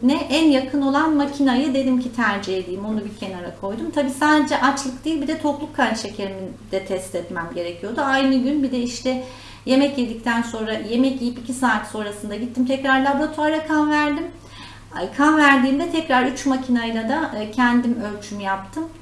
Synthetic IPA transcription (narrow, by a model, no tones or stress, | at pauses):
nɛʔænjakʰɯno̞lˠanmacʰinajɯd̪e̞d̪imcʰit̪ʰæɾd͡ʒiɦed̪ʲijːmo̞nubicʰenaɾakʰo̞jd̪umt̪ʰabiːsaːd̪ed͡ʒɛʔat͡ʃlˠɯkd̪ijilʲbid̪ɛt̪ʰo̞plˠukʰːanʃe̞cʰeɾimid̪̥ɛt̪ʰɛst̪ɛt̪mæmɟe̞ɾecʰijo̞d̪uajnɯɟynbid̪ɛiʃt̪ʰɛ | je̞mɛcjed̪ic̚t̪ʰænso̞nɾaje̞mɛcijipicʰisaːt̪so̞nɾasɯnd̪aɟit̪ʰːimt̪ʰɛcɾaɾlʲˠaboat̪ʰoaɾɾakʰanvæɾd̪im | kʰanvæɾd̪iːnd̪ɛt̪ʰɛcɾaɾyt͡ʃmacʰinajlˠad̪acʰɛnd̪imølʲt͡ʃʰymyjap̚t̪ʰɯm